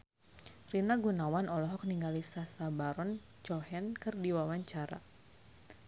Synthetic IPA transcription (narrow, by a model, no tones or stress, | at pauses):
rinaɡunawanɔlɔɦɔk̚niŋɡalisasabaɾɔn | t͡ʃɔhɛnkɨrdiwawaɲt͡ʃaɾa̰